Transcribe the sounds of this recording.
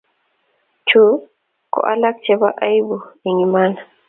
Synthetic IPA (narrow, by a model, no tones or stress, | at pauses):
t͡ʃu | kɔ̰ʔa̰lak̚t͡ʃɛbaʔajbuiŋimana